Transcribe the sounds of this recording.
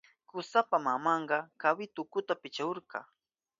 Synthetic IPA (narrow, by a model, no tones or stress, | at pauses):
kʊsapamamɑɴɢɑkawɪt̪ʊkʊt̪apɪt͡ʃaoɾkɑ̰